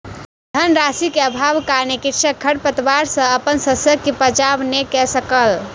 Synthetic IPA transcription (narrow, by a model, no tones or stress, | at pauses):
d̪ʱənɾasikeəbʱabkanekitt͡ʃʰəkʰːəɽpət̪ʋaɾsə̃əpənsəsjəɡ̚kepəd͡ʒabnekɛsəkəl